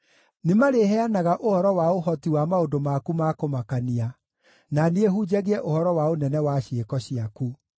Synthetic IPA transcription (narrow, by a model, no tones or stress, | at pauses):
nemaɾeɦɛanaɣaʔohɔɾɔwaoɦɔtiwamaodomakumakomakania | naneeɦud͡ʑaɣeɛʔohɔɾɔwaonɛnɛwaɕekɔɕiaku